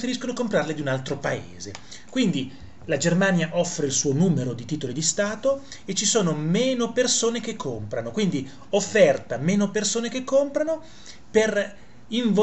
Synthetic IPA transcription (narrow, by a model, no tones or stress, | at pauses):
feɾiskonokompɾarled̪iunalt̪ɾopaḛːze | kwind̪i | lad͡ʒermaːnjaʔɔfːɾeilsuːonuːmeɾod̪it̪iːt̪olid̪ist̪aːt̪o | et͡ʃːisoːnomeːnopersoːnekekʰːompɾanokwind̪i | ofːɛrt̪ameːnopersoːnekekːompɾano | per | iɱvo